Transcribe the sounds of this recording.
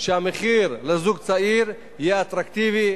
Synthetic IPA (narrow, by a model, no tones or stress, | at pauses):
ʃeameχiɾlezuɡt͡saiɾ | ijeat̪ɾakt̪ivi